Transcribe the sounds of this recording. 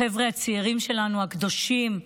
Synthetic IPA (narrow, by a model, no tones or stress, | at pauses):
evʁeat͡siiʁimʃe̞lanuhakd̪o̞ʃim